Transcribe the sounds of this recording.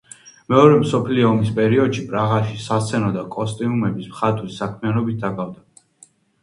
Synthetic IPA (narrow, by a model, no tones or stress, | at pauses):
mɛɔɾɛmsɔpʰliɔːmispʼɛɾiɔd̪ʃipʼɾaʁaʃisat̪sʰɛnɔd̪akʼɔst̪ʼiumɛbismχat̪ʼɾisakʰmianɔbit̪̚ʰd̪akʼavd̪a